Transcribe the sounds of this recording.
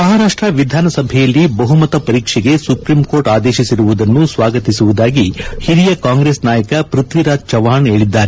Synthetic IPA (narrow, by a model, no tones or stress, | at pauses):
mɐɦaːɾaːʂʈɾɐʋid̪ʱaːnɐsɐbʱɛjɐlːibɐɦumɐt̪ɐpɐɾiːkʂɛɡe̞supɾimkoːɾʈaːd̪eːʃisiɾuʋud̪ɐnːusʋaːɡɐt̪isuʋud̪aːɡihiɾijɐkaːŋɡɾeːsnaːjɐkɐpɾut̪ʋiɾaːd͡ʒt͡ʃɐʋaːɳeːɭid̪ːaːɾe